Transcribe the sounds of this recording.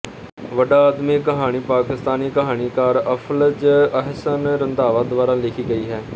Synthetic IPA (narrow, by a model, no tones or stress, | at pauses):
ʋəɖaːəːd̪miːkəɦaːɽ̃iːpaːkɪst̪aːniːkəɦaːɽ̃iːkaːɾəpʰəld͡ʒəɦsənɾɪnd̪aːʋaːd̪ʋaːɾãːlɪkʰiːɡəiːɦɛː